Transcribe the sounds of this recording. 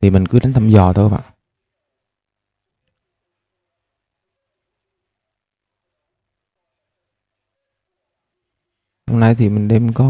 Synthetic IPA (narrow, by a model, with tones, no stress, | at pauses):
i˨˩mï˨˩ŋ̟kɨ˨˦ɗa̟˨˦t̪ʰə˧˩mzɔ̰˨˩t̪ʰo˧jɓa̰ː˧˨ʔ | ho̰˧wŋ͡mna˧jt̪ʰi˨˩mï˨˩ŋ̟ɗe˧mkɔ˨˦